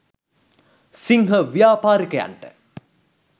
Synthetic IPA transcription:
siŋɦəʋijaːpaːɾikəja̰ɳʈə̰

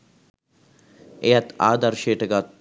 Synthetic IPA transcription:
ejat̪aːd̪aɾʃeːʈəɡaː

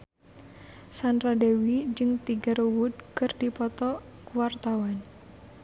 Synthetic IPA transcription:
sanradewid͡ʒɨŋt̪iɡaɾowud̪̚kɨrdipɔt̪ɔkuwart̪awan

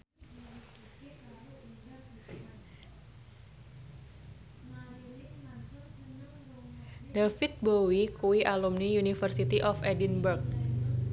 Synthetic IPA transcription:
dafit̪̚bowikuwiʔalumnijunifərsit̪iʔɔfɛdinbərk̚

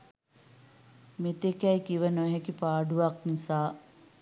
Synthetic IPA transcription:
met̪ekæjkiʋənoɦekipaːɖuʋaknisaː

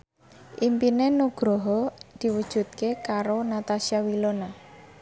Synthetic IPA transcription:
ʔimpinenuɡ̥ɾɔɦɔd̪̥i̤wud̥ʒ̥ṳt̪̚kekaɾonat̪asiawilona

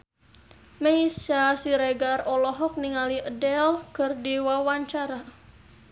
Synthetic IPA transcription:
meisasiɾeɡarɔlɔɦɔk̚niŋaliʔədɛlkərdiwawaɲt͡ʃaɾa

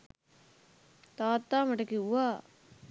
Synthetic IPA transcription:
t̪aːt̪ːaːmɐʈɐkːiuaː

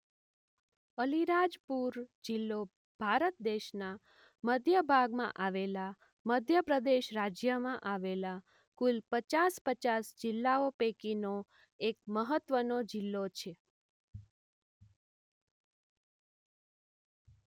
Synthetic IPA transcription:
əliɾad͡ʒpuɾd͡ʒɪlːo | b̥ʱaɾət̪̚d̪eʃna | məd̪ʱjəbʱaɡmã̰ʔaʋela | məd̪ʱjəpɾəd̪eʃɾad͡ʒjəmãʔaʋela | kulpət͡ʃaspət͡ʃasd͡ʒɪlːaopekino | ek̚məɦət̪ʋənod͡ʒɪlːot͡ʃʰe

